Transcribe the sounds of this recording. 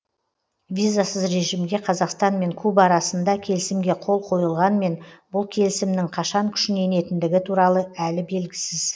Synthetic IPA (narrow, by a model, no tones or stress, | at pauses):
vʲijzasəzɾe̞ʒɪmɡʲe̞qʰɑzɑqst̪ɑnme̞ŋkʰubɑɾɑsənd̪ɑkʲʰe̞lɪsɪmɡʲe̞qʰo̞lˠqʰo̞jəlˠʁɑnme̞nbʊlˠkʲʰe̞lɪsɪmnɪŋqʰɑʃɑŋkʲʰʏ̥ʃɪne̞ne̞t̪ɪnd̪ɪɡʲɪt̪ʰuɾɑlˠəælɪbe̞lɡʲɪsɪz